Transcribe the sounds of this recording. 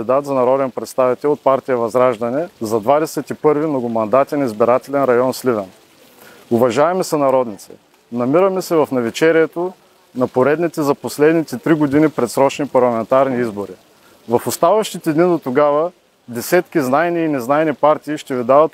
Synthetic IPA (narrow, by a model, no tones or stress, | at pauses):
d̪id̪at̪zɐnɐɾɔd̪ɛnpɾɛt̪st̪avit̪ɛlˠot̪̚paɾt̪ijəvɐzɾaʒd̪ɐnɛzɐd̪vad̪ɛsɛt̪ipɤɾvimnoɡʊmɐnd̪at̪inɐizbiɾat̪ɛlɛnɾɐjɔnslivɛn | ʊvɐʒavɛmɛsɐnɐɾɔd̪nit̪sɛ̰ | nɐmiɾəmɛsɛvɐfnɐvit͡ʃɛɾiɛt̪o | nɐpoɾɛd̪nit̪ɛzɐposlɛd̪nit̪ɛt̪ɾiɡod̪inipɾɛt̪sɾɔt͡ʃnipɐɾlˠɐmɛnt̪aɾniizboɾi | vɐfʊst̪avɐʃt̪it̪ɛd̪nid̪ot̪oɡavə | d̪ɛsɛt̪kiznaɛniːnɛznaɛnipaɾt̪ʲiːʃt̪ɛvid̪avɐt̪